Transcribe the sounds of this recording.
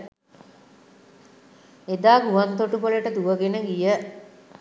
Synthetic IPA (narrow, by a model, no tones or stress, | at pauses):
ed̪aːɡuʋant̪ːoʈupoləʈəd̪uʋəɡenəɡijə